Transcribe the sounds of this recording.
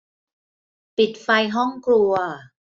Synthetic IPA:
pi˨˩t̪̚fa˧jɦɔ˥˩ŋklu˧ɐ

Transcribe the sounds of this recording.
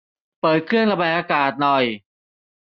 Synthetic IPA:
pɤː˨˩t̪̚kʰɾɯ˥˩əŋsa˧ba˧˩jʔaː˧kaː˨˩t̪̚nɔ˨˩j

